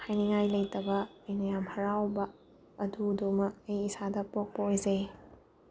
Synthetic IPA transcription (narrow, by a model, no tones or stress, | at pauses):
hajniŋajlɐjtɐbɐɐjnɐjamhɐɾawbɐː | dudumɐk̚ɐjisadɐpok̚pɐojzej